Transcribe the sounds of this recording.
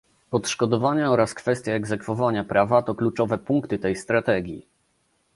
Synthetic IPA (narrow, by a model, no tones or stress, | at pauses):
ɔt̪ʂkɔd̪ɔvaɲɛɔɾaskfɛst̪ʲjaɛɡzɛkfɔvaɲapɾavat̪ɔklut͡ʂɔvɛpuŋkt̪ɘt̪ɛjst̪ɾat̪ɛɡʲji